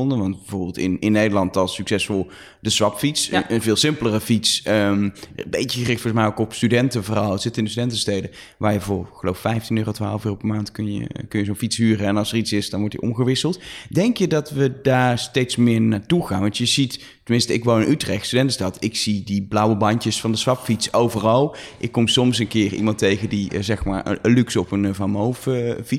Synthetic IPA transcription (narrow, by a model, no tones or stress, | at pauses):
ɔndənʋɑntbəvʊːɹbɪlˠtɪnɪnːejdəlɑntɑlˠsyksɛsfɔlˠ | dəzʋɑpfitsnənvɪːlˠsɪmplərəfitsəmmbejəɣərɪxtfɔɹɔsmɛjokɔpstydɛntəvʊːrɑlˠətsɪtəɪndəstydɛntəstejdə | ʋaːɹjəvʊːɹχəlowffɛjftinøːrotʋa̰ːləføːropɛɹmaːntkɵnjə̰kɵnjəzonfitsɦyːrəɛnɑlˠsəritsɪsdɑnʋɔɹtḭʔɔ̰mɣəʋɪsəlˠtdɛŋkjədɑtʋədaːɹstejtsmɪːɹnaːtuɣaːnʋɑntjəzitː | əmɪnstəɪkʋownɪnʔytrɛxtstydɛntəstɑtɪksidiblawəbɑntəsfɑndəsʋɑpfitsowvərɑlˠʔɪkːɔmsɔmsənkɪːrḭmɑntejɣəndizɛxma̰ːɹ̰əlyksɔpənvamowffi